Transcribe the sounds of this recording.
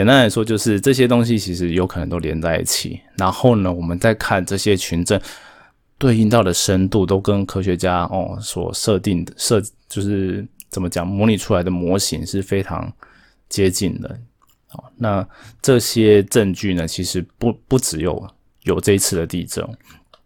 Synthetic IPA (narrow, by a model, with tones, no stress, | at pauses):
jɛ˨˩na˥nla˧˥ɪʂwɔ˥t͡ɕjo˥˧ʊʂɻ̩˥˧ʈ͡ʂɤ˥˩ɕ̬jɛ˥t̪o˥ŋɕ̬i˦t͡ɕʰi˧˥ʂɻ̩˧˥jo˧˥kʰnə˧˦ŋt̪o˥ʊljɛ˧˥nt͡sa˥˧ɪḭ˥˩t͡ɕʰḭ˨˩˦na˧˥nxo˥˩ʊnə˩wɔ˨˩mə˨˦nt͡sa˥˧ɪkʰa˥˩nʈ͡ʂɤ˥˩ɕjɛ˦t͡ɕʰy˧˥nʈ͡ʂə˥˨n | t̪we˥˧ɪi˥˧nt̪ɑ˥˩ʊd̪ə˩ʂə˦˥nt̪u˥˩t̪o˥ʊkə˦˥nkʰɤ˥ɕɥɛ˧t͡ɕja˥ɔ̰˨˩swɔ̰˨˩ʂɤ˥˧t̪i˥˩ŋə˩ʂɤ˥˧t͡ɕjo˥˧ʊʂɻ̩˥˩ | t͡sə˨˩mə˦t͡ɕjɑ˨˩ŋmwɔ˧˥li˨˩ʈ͡ʂʰu˥la˧˥ɪd̪ə˨mwɔ˧˥ɕḭ˧˥ŋʂɻ̩˥˩fe˥ɪʈ͡ʂʰɑ̰˧˥ŋ | t͡ɕjɛ˥t͡ɕi˥˩nd̪ə̰˩ | na˥˧ʈ͡ʂɤ˥˩ɕjɛ˥ʈ͡ʂə˥˧nt͡ɕy˥˩nə˩t͡ɕʰi˧˥ʂɻ̩˧˥ppu˥˩ʈ͡ʂɻ̩˧˥jo˨˩ʊ | jo˨˩ʊʈ͡ʂɤ˥˧i˧˥t͡sʰɹ̩˥˩d̪ə˩t̪i˥˩ʈ͡ʂə̰˨˩˦ŋ